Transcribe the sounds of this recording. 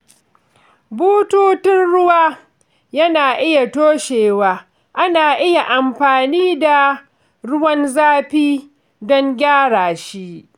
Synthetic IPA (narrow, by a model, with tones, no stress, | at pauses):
buː˦tuː˦tɪ˦nɽʊ˦waː˦ | jɐ˦naː˨ʔɪ˦ja˨toː˦ʃeː˨waː˦ | ʔa˦naː˨ʔɪ˦ja˨ʔa˨mɸaː˨niː˦da˨ | ɽʊ˦wɐ˦nzaː˦ɸiː˦ | dɔ˦ŋɡʲaː˦ɽaː˨ʃi˦ʔ